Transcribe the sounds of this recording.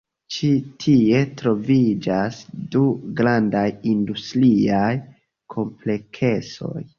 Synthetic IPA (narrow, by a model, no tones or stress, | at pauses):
t͡ʃitʰie̞tɾo̞vid͡ʒasduɡɾandajindustɾiaj | kʰo̞mple̞kʰe̞so̞̰j